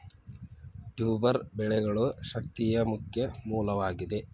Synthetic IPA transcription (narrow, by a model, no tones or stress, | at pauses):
ʈuːbɐɾbɛɭeɡɐɭuʃɐk̚t̪ijɐmukjɐmuːlɐʋaːɡid̪e